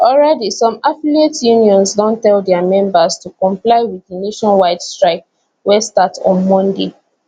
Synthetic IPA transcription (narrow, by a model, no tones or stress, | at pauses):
ɔlɹɛdisɔ̃mafilietjuniɔ̃nsdɔ̃ntɛldɛamɛ̃mbastukɔ̃mplaɪwiðəneʃɔ̃nwaɪdstɹaɪk̚ | wɛstatɔ̃nmɔ̃nde